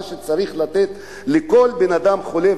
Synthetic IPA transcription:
ʃet͡saʁiχlat̪et̪ | leko̞lbenad̪amχo̞le

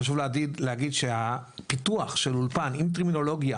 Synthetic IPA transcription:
aʃ̬uvleadid̪lehaɡid̪ʃehapituaχʃelulpanimt̪̬eʁmino̞lo̞ɡja

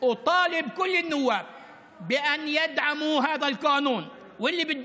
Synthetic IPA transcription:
t̪ˤɑːlɪbkʊlːɪnːʊwːaːb̚ | bɪʔanjɪd̪ʕamuɦaːðalqaːnuːn | wɪlːibɪd̪

